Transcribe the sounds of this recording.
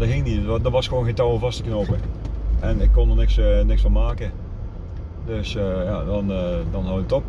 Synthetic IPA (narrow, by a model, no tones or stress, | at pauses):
dəhɪŋənidərʋɔsxʋoːnxentɔwəlˠvɑstəkənoːpəʔɛnɪkːondərnɪksnɪksfɔ̃nmaːkə | døsjadɔndɔnhɔətop